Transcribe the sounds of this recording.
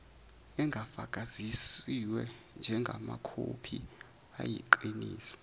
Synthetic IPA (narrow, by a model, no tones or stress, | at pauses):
ɛŋɡʱafakʼazisiwɛ | nd͡ʒʱɛŋɡʱamakʰopʰi | ajiǃiniːsi̥